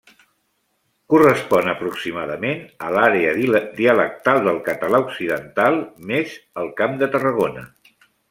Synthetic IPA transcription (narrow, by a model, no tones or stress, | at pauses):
kurəspɔnəpɾuksimaðəmenə̰laɾeəd̪iələk̚t̪alˠd̪əlˠkət̪əlauksiðənt̪alˠmezəlˠkamd̪ət̪ərəɣ̞onə